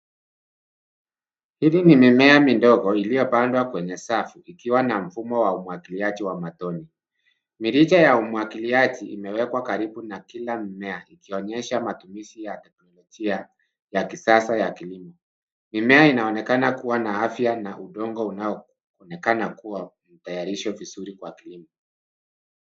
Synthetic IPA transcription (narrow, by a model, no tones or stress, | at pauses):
hiðinimimɛamindɔɡɔilijɔpandwakwɛɲɛsafuikiwanam̩fumɔwaumwakiliaʄiwamatɔni | miɾit͡ʃajaumuakiliaʄiʔimɛwɛkwakaɾiɓunakilamimɛaikiɔɲɛʃamatumiʃijatɛknɔlɔʄia | jakisasajakilimɔ | mimɛainaɔnɛkanakuwanaafjanaʔuɗɔŋɡɔunaɔ | ɔnɛkanakuwam̩tajaɾiʃɔvizuɾikwakilimɔ